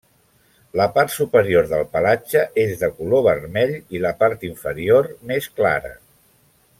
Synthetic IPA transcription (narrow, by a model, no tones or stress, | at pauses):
ləpart̪supəɾioɾðəlˠpəlad͡ʒəʔezðəkuloβərmɛʎiləpaɾt̪iɱfəɾiormeskla̰ɾə̰